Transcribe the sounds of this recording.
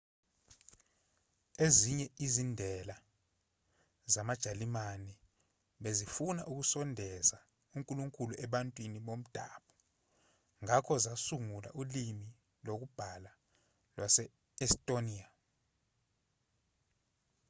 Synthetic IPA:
eziɲɛizindʱɛla | zamad̥ʒ̥ʱalimanɛ | ɓezifuna̰ʔuk̬usɔndʱɛza | uŋkʼuluŋkʼuluʔɛɓantʼwiniɓom̩d̥ʱa̰ːɓɔ | ŋakʰɔzasuŋula̰ʔulimi | lok̬ub̥ʱala | lwasɛ | ɛstʼonia

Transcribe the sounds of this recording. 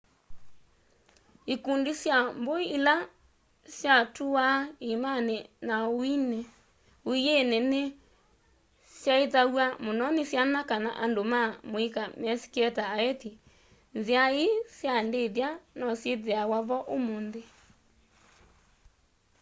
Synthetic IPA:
ikundisjamboiːla | sjatuwaimanenaoine | oienene | sjaetawamonɔnesjanakana̰ʔandomamoikamɛsi̥keɛtaːɛti | nziaesjandeðanɔsjeðeawaβɔʔomonðe

